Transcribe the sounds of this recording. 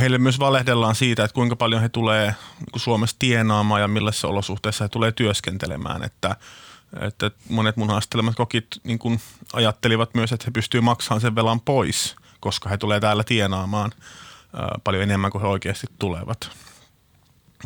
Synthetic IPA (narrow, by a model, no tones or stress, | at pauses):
heilːemmyøsʋɑlehdelːɑːnsiːt̪æet̪kuiŋkɑpɑljonhet̪uleːnḭːŋkusuomest̪ienɑːmɑːjɑmilːɑsːæo̰losuht̪eisːɑhet̪uleːt̪yøskent̪elḛmæ̰ːnḛt̪ːæ | ḛt̪ːæmonet̪munhɑst̪elemɑt̪kokit̪niːŋkunɑ̰jɑt̪ːeliʋɑt̪myøset̪hepyst̪yːmɑksɑːnseʋʋelɑmpois | koskɑhet̪uleːt̪æːlːæt̪ienɑːmɑːnə̰ːpɑljoenemːæŋkuheoikeːst̪it̪ːulḛʋɑt̪